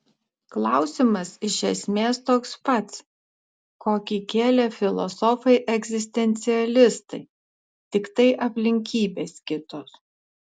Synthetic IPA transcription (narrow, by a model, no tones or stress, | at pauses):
klˠɑˑʊsʲimɐsɪʃʲɛsʲmʲeːst̪oːkspɐt̪s | koːkʲiːkʲeːlʲɛfʲɪlˠɔ̰sɔfɐɪʔɛɡʲzʲɪsʲt̪ʲɛnʲt̪sʲɪɛlʲɪst̪ɐɪ | t̪ʲɪkt̪ɐɪʔɐpʲlʲɪŋʲkʲiːbʲeːskʲɪt̪oːs